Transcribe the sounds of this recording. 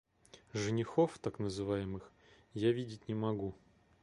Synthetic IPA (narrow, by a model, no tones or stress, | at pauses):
ʐɨnʲɪxoft̪aknəzɨvajɪmɨx | javʲidʲɪtʲnʲɪmɐɡu